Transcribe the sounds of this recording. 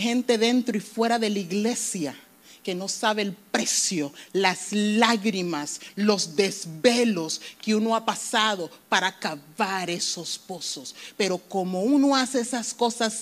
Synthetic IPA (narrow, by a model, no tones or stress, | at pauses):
hẽ̞nt̪e̞ðe̞nt̪ɾoifwe̞ɾaðe̞laiɣle̞sja | ke̞no̞saβeːlpɾe̞sjo̞laslaɣɾimaslo̞zd̪e̞zβe̞loskeuno̞apasaðo̞paɾakaβaɾe̞so̞spo̞so̞spe̞ɾo̞ko̞mo̞unoaseesasko̞sas